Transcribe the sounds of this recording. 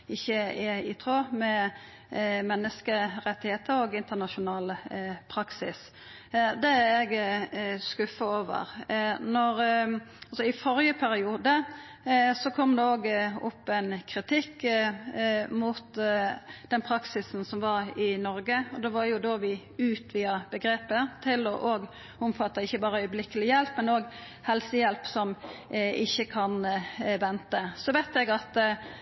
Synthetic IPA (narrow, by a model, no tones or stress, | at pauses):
ɪçːəɪɪt̪ʰɾoːmɛ | mɛnːəskəɾɛt̪ːɪheːt̪əɾɔɡɪnt̪ənɑʃʊnɑːlpʰɾɑksɪs | d̪ɛɛɡ | skʉfəoːʋə̰ɾnɔɾɑlsɔɪfɔɾjəpʰæɾɪuːd̪ə | sɔkʰɔmːd̪ɛoːɡɔpːɛnkʰɾɪt̪ʰɪkː | mut̪ | d̪̥ɛnpʰɾɑksɪsn̩sɔmʋɑɾɪnɔɾɡəɔd̪ɛʋɑɾjʊd̪oːʋɪ | ʉːt̪ʋiːəbəɡɾeːpət̪ʰɪlɔʔoːɡ | ʊmfɑt̪ːəɪçːəbɑːɾəœʏblɪkəlɪjɛlpmɛnoːɡ | hɛlsəjɛlpsɔmɪçːəkʰɑnʋɛnt̪əsɔʋæɪt̪ɛɡɑt̪